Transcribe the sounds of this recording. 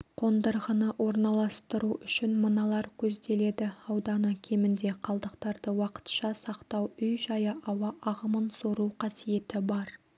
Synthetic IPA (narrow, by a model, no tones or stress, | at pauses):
qʰo̞nd̪əɾʁənəʔwo̞ɾnɑlˠɑst̪əɾuʔʏʃɪnmənɑlˠɑɾkʲʰɵzd̪e̞le̞d̪ɪɑwd̪ɑnəkʲʰe̞mɪnd̪e̞qʰɑlˠd̪əqt̪ɑɾd̪əwɑqə̥t̪ʃɑsɑqt̪ɑwʏjʒɑjəʔɑwɑʔɑʁəmənsoɾuqʰɑsije̞t̪ɪbɑɾ